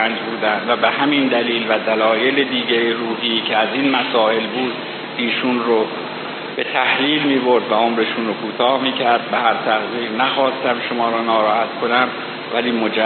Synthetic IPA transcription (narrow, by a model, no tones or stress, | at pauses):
nd͡ʒbuːd̪ænd̪væbe̞hæmind̪æliːlvæd̪ælɒːje̞led̪iːɡejeruːɦiːcʰeæziːnmæsɒːʔe̞lbuːd̪̥ | iːʃunro | b̥e̞t̪ʰæhliːlmiːbo̞ɾd̪væomɾeʃunrokʰuːt̪ʰɒːhmiːcʰæɾd̪̚behæɾt̪ʰæɣjiːɾnæxɒːst̪æmʃomɒːɾɔːnɒːɾɒːhæt̪kʰo̞næm | væliːmo̞d͡ʒæ